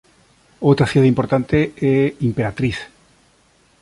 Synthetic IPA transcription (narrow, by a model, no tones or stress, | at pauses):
owt̪ɾaθjeðimpoɾt̪ant̪eɛimpeɾat̪ɾiθ